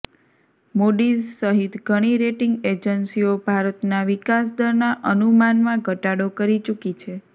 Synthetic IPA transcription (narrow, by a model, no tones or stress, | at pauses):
moɖizsəɦit̪ɡʱəɽ̃iɾeʈɪŋɡed͡ʒənsiobʱaɾət̪naʋikas̬d̪əɾnaʔənumanmãɡʱəʈaɽokəɾit͡ʃukit͡ʃʰe